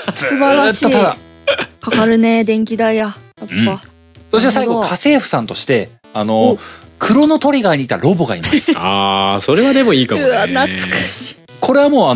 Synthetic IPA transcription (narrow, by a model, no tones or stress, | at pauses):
sɨbaɾat̪ːait̪ad̪akakaɾɯ̟ne̞d̪ẽ̞ŋkʲid̪ajajapːa | soɕit̪saiɡokʰase̞ːɸɯ̟̥sãnt̪o̞ɕi̥t̪e̞ | anokʰɯ̟ɾo̞no̞t̪o̞ɾʲiɡaiɲ̟it̪aɾo̞boɡaimassɨ̥aso̞ɾe̞βad̪e̞mo̞iːkaɯanat͡sɨ̥kɯ̥ɕi̥ | kʰo̞ɾe̞βamo̞ːa